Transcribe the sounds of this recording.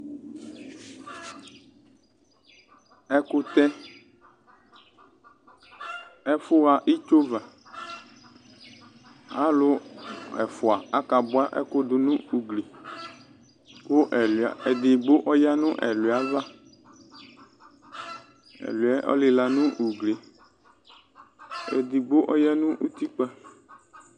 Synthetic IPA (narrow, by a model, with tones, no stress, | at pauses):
ɛ˦kʊ˦t̪ɛ˦ | ɛ˦fʊ˦ɣa˨ʔi˦t͡ʃo˦va˨ | a˦lʊ˦ɛ̰˨fʊ˨a˨a˦ka˨bʊ˦a˦ʔɛ̰˦kʊ˦d̪ʊ˨nũ˦u˨ɡle˨ | ko˦ʔɛ˨le˨d̪ɪ˨ɡ͡bo˦ʔɔ˦ja˦nʊ̃˦ʔɛ̰˨lu˨a˨˦va˦ | ɛ̰˨lu˨ɛ˦ʔɔ̰˦lɪ˨la˨nʊ̃˦ʔu˨ɡle˨ | ḛ˨d̪ɪ˨ɡ͡bo˦ʔɔ˦ja˦nʊ̃˦ʔu˦t̪i˦k͡pa˦